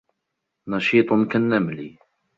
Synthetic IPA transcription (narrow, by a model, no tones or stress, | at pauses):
nɑʃiːt̪ˤʊnkanːamli